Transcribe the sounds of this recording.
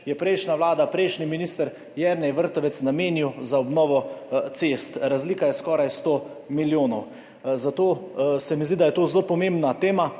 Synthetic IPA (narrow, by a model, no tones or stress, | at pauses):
jɛpɾɛjʃnaʋlaːd̪apɾɛjʃniminiːst̪əɾ | jɛɾnɛjʋəɾt̪ɔʋɛt̪snameːniwzaɔbnɔːʋɔt̪sest̪ɾazliːkajɛskɔːɾajst̪o | miljoːnɔw | zat̪oːsɛmizd̪id̪ajɛt̪oːzlopɔmembnat̪eːma